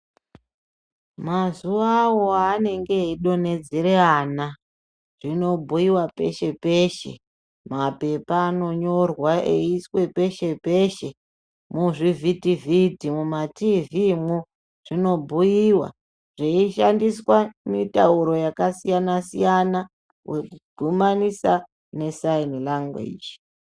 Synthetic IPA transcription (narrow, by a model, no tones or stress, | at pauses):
mazuʋaːwo̞ane̞ŋɡe̞iɗo̞ne̞d͡zeɾeana | ʐ̥ino̞bʱujiwape̞̰ʃe̞peʃe̞̰ | mape̞paːno̞ɲo̞rwaʔeiswe̞pe̞ʃe̞pe̞ʃe̞ | muʐivʱitividʱimumativimu | ʐ̥ino̞bʱujiwa̰ | ʐ̥eiʃandiswamitauɾo̞jakasijanasḭjana | we̞kuɡʱumanisa | ne̞sainlaŋɡwḛd͡ʒ